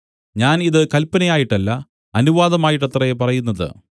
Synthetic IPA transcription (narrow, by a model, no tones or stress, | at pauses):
ɲaːniðɨkɐlpːɐnɐjaːjiʈːɐlːɐ | ɐnuʋaːðɐmaːjiʈːɐt̪rɐepɐrɐjunːɐðɨ̰